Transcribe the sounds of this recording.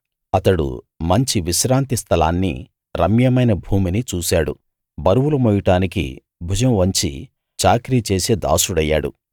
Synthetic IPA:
ɐt̪ɐɽṵ | mɐɲt͡ʃiʋiʃɾaːnt̪ist̪ʰɐla̰ːnːḭ | ɾɐmjɐmɐjnɐbʱuːminit͡ʃuːsaːɽṵ | bɐɾuʋulɐmɔjiʈaːnikḭ | bʱud͡ʒɐmʋɐɲt͡ʃḭ | t͡ʃaːkɾiːt͡ʃe̞ːseːd̪a̰ːsuɽɐjːa̰ːɽṵ

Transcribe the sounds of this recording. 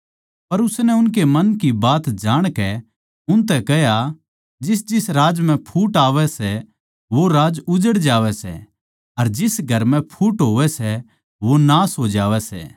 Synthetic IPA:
pɐɾʊsnɛʊnk̬emɐnkibaːt̪d͡ʒaːɽ̃kɛ | ʊnt̪̬ɛkɛɦja | d͡ʒɪsd͡ʒɪsɾaːd͡ʒmɛ̃pʰuːʈaːʋɛsɛ | ʋoɾaːd͡ʒʊd͡ʒəɽd͡ʒaːʋɛsɛ̰ | ɐɾd͡ʒɪsɡʱɐɾmɛ̃pʰuːʈɦoːʋɛsɛ | ʋonaːsɦoːd͡ʒaːʋɛsɛ̰ː

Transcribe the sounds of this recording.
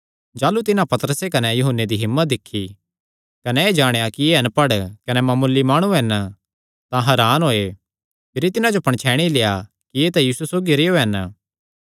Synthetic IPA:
d͡ʒaːlut̪ɪnãpɐt̪əɾəsekɐnɛjʊɦʊnːed̪iɦɪmːət̪̚d̪ɪkʰːi | kɐnɛeːd͡ʒaːɽ̃ejakijeɐnpɐɽkɐnɛmɐmʊlːimaːɽ̃ũɦɛn | t̪ãɦɐɾaːnɦoːe | pʰɪɾit̪ɪnãd͡ʒopɐɳ̃t͡ʃʰɛːɽ̃ileja | kieːt̪ɛjiːsusoːɡiɾeːoɦɛn

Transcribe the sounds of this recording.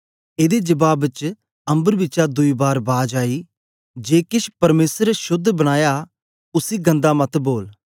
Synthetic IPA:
eːd̪ed͡ʒəbaːbt͡ʃ | ɐ̃mbəɾbɪːt͡ʃad̪ʊiːbaːɾbaːd͡ʒaːiː | d͡ʒeːkɪʃpɐɾmeːsəɾʃʊd̪ʱːbəɽ̃aːjaː | ʊsiːɡə̃nd̪amɐt̪boːl

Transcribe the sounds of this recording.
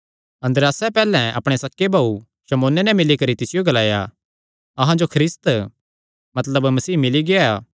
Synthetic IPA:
ɐ̃nd̪ɾaːsɛpɛːlɛ̃ʔɐ̰pɽ̃esɐkːebaːu | ʃɐmoːnenɛ̃mɪlikɐɾit̪ɪsɪjoɡɐlaːja̰ | ɐɦãd͡ʒokʰɾɪst̪ | mɐt̪ləbmɐsiːmɪliɡeaː

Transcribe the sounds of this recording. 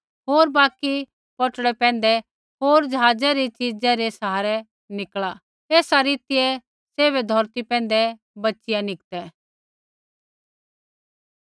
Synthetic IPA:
ɦoːɾbaːki | pɔʈɽɛpɛ̃ːn̆d̪ɛ | ɦoːɾd͡ʒəɦaːd͡zɛɾit͡ʃɪd͡zɛɾesɦaːɾɛ | nɪkɭa | eːsaɾiːt̪ɪjɛ | seːβɛd̪ʱɔɾt̪ipɛ̃ːn̆d̪ɛ | bɐtːʃɪjanɪk̚t̪ɛ

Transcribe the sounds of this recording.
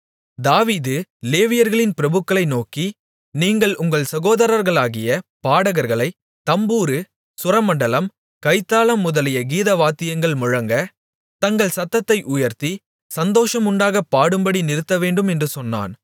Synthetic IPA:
d̪aːʋiːðɯleːʋɪjɐɾɣɐɭɪnpɪɾɐbɯkːɐɭɐɪnoːki | niːŋɡɐɭʊŋɡɐɭsɐɣoːðɐɾɐɾɣɐɭaːɣɪjɐpaːɽɐɣɐɾɣɐɭɐɪ | t̪ɐmbuːɾɯ | sʊɾɐmɐɳɖɐlɐm | kɐɪt̪ːaːlɐmːʊðɐlɪjɐɡiːðɐʋaːt̪ːɪjɐŋɡɐɭmʊɻɐŋɡɐ | t̪ɐŋɡɐɭsɐt̪ːɐt̪ːɐɪʔʊjɐɾt̪i | sɐnd̪oːʂɐmʊɳɖaːɣɐpːaːɽɯmbɐɽinɪɾɯt̪ːɐʋeːɳɖɯmɛndrɯsɔnːa̰ːn

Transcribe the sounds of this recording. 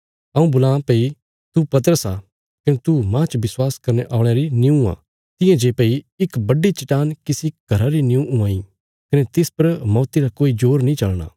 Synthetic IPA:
ɐũbʊlãːpeːi | t̪upɐt̪̬əɾəsa | kɐnet̪umãt͡ʃʋɪswaːskɐɾneʔaːɽ̃eɾinɪ̃ũã̰ː | t̪ɪ̃jẽd͡ʒeːpei | ɪkbɐɖːit͡ʃɪʈaːnkɪsiɡ̥ʱɐɾaɾinɪũũãːĩ | kɐnet̪ɪspɐɾmɔːt̪iɾakoːid͡ʒoːɾnĩt͡ʃɐlɽa̰ː

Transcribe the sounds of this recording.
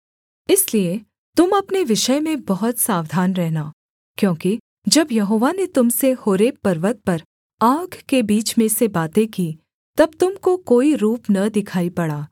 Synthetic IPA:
ɪslie | t̪ʊmɐpneʋɪʃəjmẽbɐɦʊt̪saːʋd̪ʱaːnɾɛɦnaː | kjõːki | d͡ʒɐbjɐɦoːʋanet̪ʊmsehoːɾeːpɐɾʋət̪̚pɐɾ | aːɡkebiːt͡ʃmẽsebaːt̪ẽkiː | t̪ɐb̚t̪ʊmkokoːiɾuːpnɐd̪ɪkʰaːipɐɽaː

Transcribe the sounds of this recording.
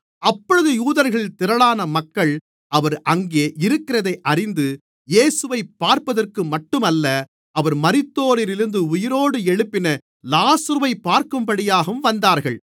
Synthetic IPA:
ɐpːɔɻɯðɯjuːðɐɾɣɐɭɪlt̪ɪɾɐɭaːnɐmɐkːɐɭ | ɐʋɐɾʔɐŋɡeːʔɪɾɯkːɪɾɐðɐɪʔɐrɪnd̪ɯ | jeːsɯʋɐɪpːaːɾpɐðɐrkɯmɐʈːɯmɐlːɐ | ɐʋɐɾmɐɾɪt̪ːoːɾɪɾɪɾɯnd̪ɯʊjɪɾoːɽɯɛɻɯpːɪnɐ | laːsɐɾɯʋɐɪpːaːɾkɯmpɐɽɪjaːɣɯmʋɐnd̪aːɾɣɐɭ

